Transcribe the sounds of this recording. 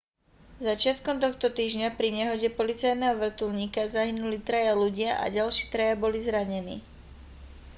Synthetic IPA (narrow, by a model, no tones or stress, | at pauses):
zat͡ʃɪat̪kɔmt̪̬ɔxt̪ɔt̪iːʒɲapɾiɲɛɦɔɟɛpɔlit͡sajnɛːɦɔʋr̩t̪ulɲiːkazaɦinulit̪ɾajaluɟɪaʔa̰ɟalʃɪiːt̪ɾajabɔlizɾaɲɛnḭː